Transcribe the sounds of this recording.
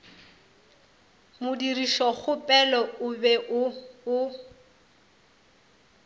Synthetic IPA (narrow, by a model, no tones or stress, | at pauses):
mʊdiriʃɔχʊpʼɛlɔʊbɛʔʊʊ